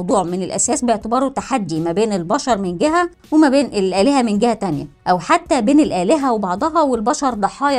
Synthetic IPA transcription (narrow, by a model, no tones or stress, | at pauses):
wd̪ˤuːʕmenelʔæ̰sæːsbeeʕt̪ebɑːɾˤut̪ːaħad̪ːimæbeːnelbɑʃɑɾˤmenɡeɦæ | wemæbeːnʔelʔæːleɦæmenɡehæt̪ænjæ̰ʔæwħat̪ːæbeːnelʔæːleɦæwebɑʕd̪ˤɑɦɑwelbɑʃɑɾˤd̪ˤɑħɑːj